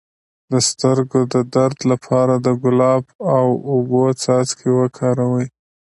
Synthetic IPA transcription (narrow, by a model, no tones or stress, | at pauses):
d̪əst̪əɾɡod̪əd̪aɾd̪lapʰɑɾad̪əɡʊlɑbawobot͡sɑzkʰewəkʰɑɾawəj